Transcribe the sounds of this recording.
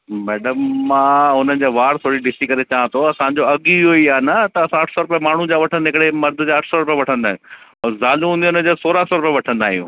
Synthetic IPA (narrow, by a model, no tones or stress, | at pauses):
mɛːɖəmːãːɦʊnənɪ̆d͡ʑaːʋaːɾt̪ʰoːɽiɖɪsikɐɾet͡ɕaʋãt̪ʰoɐsãɲd͡ʑoɐɠiɦoiaːnɐt̪ɐːsãɐʈʰsɔːɾʊpjəmaːɳ̤ũd͡ʑãːʋɐʈʰə̃nd̪eɦɪkɽemɐɾd̪ʱʊd͡ʑãɐʈʰsɔɾʊpjʋɐʈʰə̃nd̪aːɦ | zaːlũɦũːnd̪iʊnəd͡ʑosoːɾasɔːɾʊpjeʋɐʈʰə̃nd̪aːɦijũː